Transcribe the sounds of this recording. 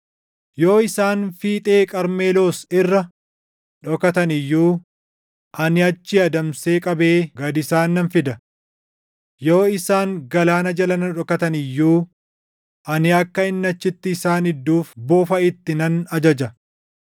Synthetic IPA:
jo̞ːɪsaːnfiːt̪ʼe̞ːkʼɐɾmeːlo̞ːsɪrːɐ | ᶑɔkɐt̪ɐnɪjːuː | ʔɐnɪɐt͡ʃːɪɐd̪ɐmse̞ːkʼɐbe̞ːɡɐd̪ɪsaːnːɐnfɪd̪ɐ | jo̞ːɪsaːŋɡɐlaːnɐd͡ʒɐlɐnɐᶑɔkɐt̪ɐnɪjːuː | ʔɐnɪɐkːɐɪnːɐt͡ʃːɪt̪ːɪːsaːnɪd̪ːuːfboːfɐɪt̪ːɪnɐnɐd͡ʒɐd͡ʒɐ

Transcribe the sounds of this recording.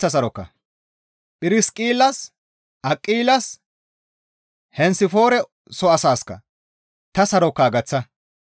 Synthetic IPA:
ɐs̬ɐɾɔkːɐ̰ | pʼɪɾɪskʼiːlːɐs | ʔɐkʼːiːlɐs | hɛnsɪfo̞ːɾɛ | sɔɐsaːskːɐ̰ | t̪ɐsɐɾɔkːaːɡɐt͡sːɐ

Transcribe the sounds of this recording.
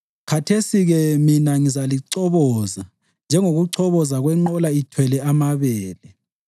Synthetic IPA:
kʰatʰesiɣɛminaŋizaliǀɔβɔza | nd͡ʒʱɛŋoɣuǀʰɔβɔzaɣwɛŋ͡ǃɔlaitʰwɛlɛamaβɛːlɛ

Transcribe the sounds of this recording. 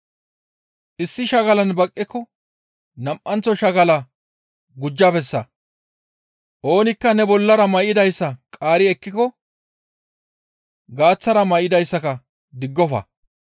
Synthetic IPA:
ʔɪsːɪʃɐɡɐlɐnbɐkʼːɪkːɔ | nɐmʔɐnt͡sːɔʃɐɡɐlɐ | ɡʊd͡ʒːɐbɛsːɐ̰ | ʔoːnɪkːɐnɛbɔlːɐɾɐmɐjɪd̪ɐjsːɐkʼaːɾɪɛkːɪkɔ | ɡaːt͡sːɐɾɐmɐjɪd̪ɐjsːɐkɐ | d̪ɪɡːɔfɐ̰

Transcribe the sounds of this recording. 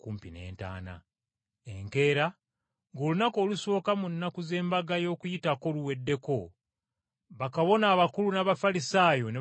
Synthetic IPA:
kuːmpine̞̰ːnta̰ːna̰ | eŋke̞ːɾa | ŋɡolunako̞ːluso̞ːkamunːakuze̞ːmbaɡajo̞ːkujitako̞luwe̞dːe̞ko̞ | βakaβo̞naːβakulunaβafalisaːjo̞ne

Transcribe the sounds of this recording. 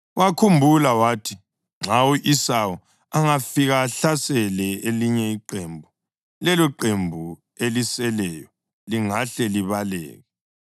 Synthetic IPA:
wakʰumbʱulawaːtʰi | ŋ͡ǁʱawuʔisawɔ | aŋafiɣaːɬasɛlɛeliɲɛiǃembʱu | lɛlɔǃembʱu | elisɛlɛjɔ | liŋaɬɛliβalɛ̰ːɣɛ

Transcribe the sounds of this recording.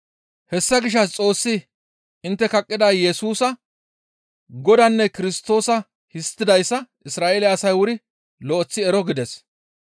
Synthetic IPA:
hɛsːɐɡɪʃ̬ːɐst͡sʼo̞ːsːɪ | ɪnt̪ːɛkɐkʼːɪd̪aːjɛsuːsɐ | ɡɔd̪ɐnːɛkɪɾɪst̪ːo̞ːsɐ | hɪst̪ːɪd̪ɐjsːɐ | ɪsɾaːʔeːlɛɐsɐjwʊɾɪ | lɔʔɔt͡sːɪɛɾɔɡɪd̪ɛs

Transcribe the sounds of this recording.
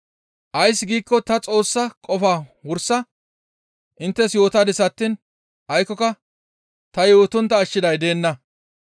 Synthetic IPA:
ʔɐjsːɪɡiːkːɔt̪ɐt͡sʼo̞ːsːɐkʼɔfaːwʊɾsːɐ | ʔɪnt̪ːɛsjo̞ːt̪ad̪ɪsɐt̪ːin | ʔɐjkːɔkɐ | t̪ɐjo̞ːt̪ʊnt̪ːɐːʃːɪd̪ɐjd̪e̞ːnːɐ

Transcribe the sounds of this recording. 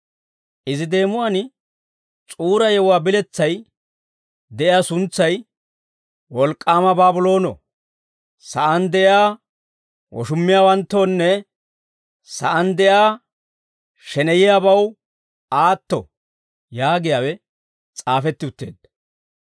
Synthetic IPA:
ʔɪzɪd̪e̞ːmʊwaːn | t͡sʼuːɾɐjɛwwaːbɪlɛt͡sːɐj | d̪ɛʔɪjaːsʊnt͡sːɐj | wɔlkʼːaːmɐbaːbʊlo̞ːnɔ̰ | sɐʔɐnd̪ɛʔjaː | wɔ̰ʃʊmːɪjaːwɐnt̪ːo̞ːnːɛ | sɐʔɐnd̪ɛʔjaː | ʃɛnɛjɪjaːbɐw | aːt̪ːɔ̰ | jaːɡɪjaːwɛ | t͡sʼaːfɛt̪ːɪʊt̪ːe̞̰ːd̪ɐ

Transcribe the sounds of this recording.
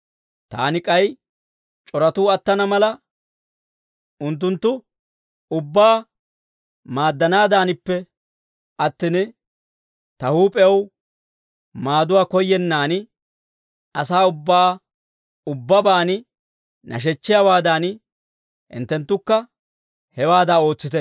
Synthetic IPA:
t̪a̰ːnɪkʼɐj | t͡ʃʼɔɾɐt̪uːɐt̪ːɐnɐmɐlɐ | ʔʊnt̪̬ːʊnt̪ːʊ | ʊbːaː | maːd̪ːɐnaːd̪aːnɪpːɛ | ʔɐt̪ːɪnɪ | t̪ɐhuːpʼɛw | maːd̪ʊwaːkɔjːɛnːaːn | ɐsaːʊbːaː | ʊbːɐbaːn | nʔɐ̰ʃ̬ɛt͡ʃːɪjawaːd̪aːn | ɪ̰nt̪ːɛnt̪ːʊkːɐ | hɛwaːd̪aːo̞ːt͡sːɪt̪ɛ

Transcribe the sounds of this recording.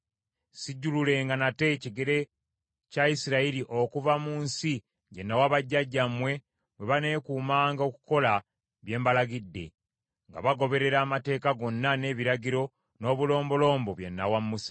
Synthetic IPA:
siɟːulule̞ŋɡanate̞ciɡe̞ɾe̞ | caisiɾailiʔo̞kuvamuːnsi | ɟe̞nːawaβaɟːaɟːamwe̞ | we̞βane̞ːkuːmaːŋɡao̞ku̥ko̞la | βje̞ːmbalaɡidːe̞̰ | ŋɡa̰βaɡo̞βe̞ɾe̞ɾaːmate̞ːkaɡo̞nːane̞ːβiɾaɟiɾo̞ | no̞ːβulo̞ːmbo̞lo̞ːmbo̞βje̞nːawamːusḁ

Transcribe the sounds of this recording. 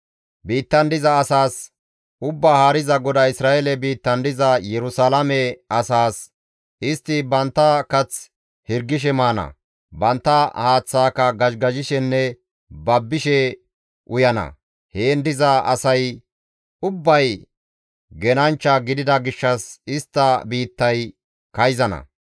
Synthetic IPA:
biːt̪ːɐnd̪ɪzɐːsaːs | ʊbːaːhaːɾɪzɐɡɔd̪ɐɪsɾaːʔɛlɛbiːt̪ːɐnd̪ɪzɐjɛɾʊsaːlɐmɛɐsaːs | ʔɪst̪ːɪbɐnt̪ːɐkɐt͡s | hɪɾɡːɪʃ̬ɛmaːnɐ̰ | bɐnt̪ːɐhaːt͡sːaːkɐɡɐʃɡɐʒɪʃɛnːɛ | bɐbːɪʃɛ | ʔʊjɐnɐ̰ | heːnd̪ɪzɐɐ̰sɐj | ʔʊbːɐj | ɡɛnɐnt͡ʃːɐɡɪd̪ɪd̪ɐɡɪʃːɐsɪst̪ːɐbiːt̪ːɐj | kɐjzɐnɐ̰

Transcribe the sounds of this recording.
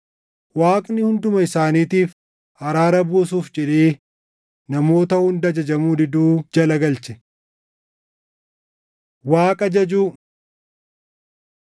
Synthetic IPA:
waːkʼnɪhʊnd̪ʊmɐɪsaːniːt̪iːf | hɐɾaːɾɐbuːs̬uːfd͡ʒɛᶑeː | nɐmo̞ːt̪ɐhʊnd̪ɐd͡ʒɐd͡ʒɐmuːd̪ɪd̪uːd͡ʒɐlɐɡɐlt͡ʃɛ̥ | waːkʼɐd͡ʒɐd͡ʒuː

